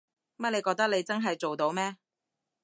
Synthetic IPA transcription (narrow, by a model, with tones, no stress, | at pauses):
mɐ˥t̚le˨˧kɔː˧t̪ɐ˥le˨˧jt͡sɐ˥nɦɐ˨jt͡so˨wt̪o˨˧wmɛː˥